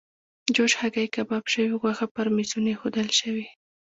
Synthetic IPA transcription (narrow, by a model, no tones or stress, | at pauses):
d͡ʒoʃhaɡajkabɑbʃəwiɣwaxapəɾmisunexod̪əlʃəwi